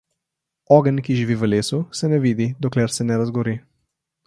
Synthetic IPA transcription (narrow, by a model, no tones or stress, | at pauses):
ɔɡənkiʒiʋiʋəleːsusɛnɛʋiːd̪id̪ɔklɛɾsɛnɛɾazɡɔɾi